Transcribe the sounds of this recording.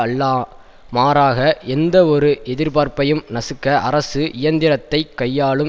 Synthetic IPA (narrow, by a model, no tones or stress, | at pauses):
ɐlːaː | maːɾaːɣɐɛnd̪ɐɔɾɯʔɛðɪɾpaːɾpɐjɯmnɐsɯkːɐʔɐɾɐsɯʔɪjɐnd̪ɪɾɐt̪ːɐɪkːɐjːaːɭɯm